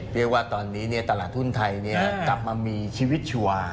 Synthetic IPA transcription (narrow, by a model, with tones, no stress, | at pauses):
ɾi˥˩ək̚waː˥˩t̪ɔː˧nːiː˦˥ni˥˩ɐt̪a˧laː˨˩t̪̚hu˥˩nt̪ʰa˧jni˥˩ɐkla˨˩p̚maː˧miː˧t͡ɕʰiː˧wi˦˥t̪̚t͡ɕʰu˧aː˧